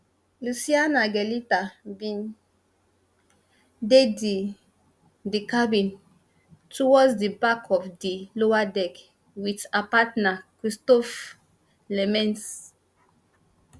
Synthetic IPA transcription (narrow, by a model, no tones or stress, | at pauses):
lusianaɡɛlitabĩn | dedi | dikabĩn | tʰɔwɔsdibakʰɔfdilowadɛk | witapatnakɹistɔf | lɛmɛ̃ns